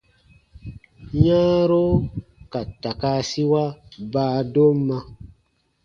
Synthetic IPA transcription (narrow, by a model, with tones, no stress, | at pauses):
ɲã˦ɾo˦ka˨ta˨ka˦si˦wa˦baː˦do˦m˦mã˧